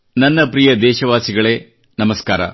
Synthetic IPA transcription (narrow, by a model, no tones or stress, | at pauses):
nɐnːɐpɾijɐd̪ɛːʃɐʋaːsiɡɐɭeː | nɐmɐskaːɾɐ̰